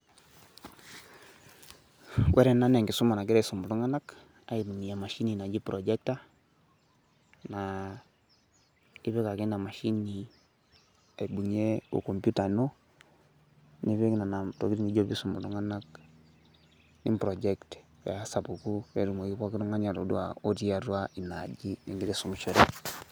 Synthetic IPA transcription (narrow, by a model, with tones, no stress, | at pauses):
wʔɛ˦ɾɛ˨na˦nɛ˨ŋɡi˨su˦ma˨na˨kɪ˦ɾɛ˦˨su˨mu˨ɾu˦ŋa˦na˦k | a˨i˨bu˨ni˨ja˨ma˨ʃi˦ni˨na˨d͡ʒi˦pɾo˨d͡ʒɛ˦k̚ta˦ | na˨ | i˦βɛ˦ka˨ke˦na˨ma˨ʃi˦ni˨ | a˨i˨bu˨ɲe˦ṵ˨ko˨mpu˦ta˨no˦ | ni˦βe˦kna˨na˨to̰˨ki˦ɾi˦ni˦d͡ʒo˦bi˦su˨mṵ˨lu˦ŋa˦na˦k | nḭ˦pɾo˨d͡ʒɛ˦kt | a˨a˦sa˨bu˨ku˦ɛ˨ɾu˨mo˨ki˦ka˦ki˦ɾu˦ŋa˦ɲa˨ɾo̰˨dṵ˦a˨o˦ti˦a˨ɾwa˦i˨na˨d͡ʒi˦nḭ˨ɡi˦ɾɛ˦˨su˨mu˨ʃo˨ɾɛ˦